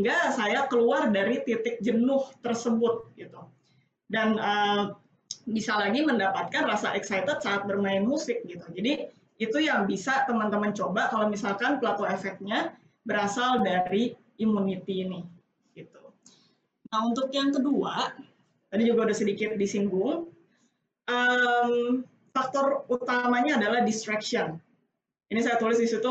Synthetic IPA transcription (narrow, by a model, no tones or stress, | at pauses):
iŋɡasajakəluardaɾit̪it̪ɪk̚d͡ʒənʊht̪ərsəbʊt̪̚ɡit̪u | danəː | bisalaɡiməndapat̪̚kanrasaʔɛksajt̪ət̪̚saːt̪̚bərmaɪnmusɪk̚ɡit̪ud͡ʒadiː | t̪ujaŋbisat̪əmant̪əmənt͡ʃobakalomisalkanplat̪oefɛk̚t̪̚ɲa | bəɾasaldaɾi | imunit̪iːnɪh | ɡ̥it̪u | nahunt̪ʊkjaŋkədua | t̪adid͡ʒuɡaudahsədikɪt̪̚disiŋɡʊŋ | ʔəm | fak̚t̪ɔrut̪amaɲaːdalahdist̪ɾakʃiɔn | inisajat̪ulɪs̬disit̪u